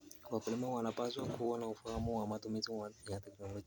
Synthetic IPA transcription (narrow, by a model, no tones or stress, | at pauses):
kwakulimawanapaswakuwanaufahamuwamatumiziwajatɛknɔlɔ